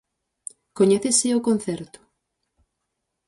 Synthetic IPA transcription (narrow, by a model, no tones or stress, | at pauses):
koɲɛθesɪokonθɛɾt̪ʊ̥